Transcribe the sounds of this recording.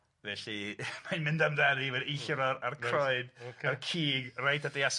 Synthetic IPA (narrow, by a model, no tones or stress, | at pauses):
vɛɬimajnmɪndamðɛnivɛdejɬɾɔɾarkʰrɔjdarkʰiːɡrajtʰadejas